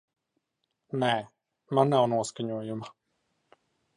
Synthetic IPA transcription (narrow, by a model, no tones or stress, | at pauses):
nɛː | manːawnuɔskaɲuɔjuma